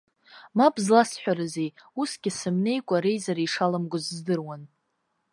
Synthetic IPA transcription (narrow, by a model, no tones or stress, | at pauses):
mabzlasħʷᶣaɾɨzejusɡʲɪsɨmne̞jkʷʼaɾe̞jzaɾiʂalamɡʷʊzzdɨrwan